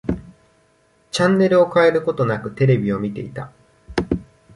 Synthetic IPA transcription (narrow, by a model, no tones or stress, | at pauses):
t͡ɕãnːe̞ɾɯ̟o̞kae̞ɾɯ̟ko̞t̪o̞nakɯ̟t̪e̞ɾe̞bʲio̞mʲit̪e̞̰it̪a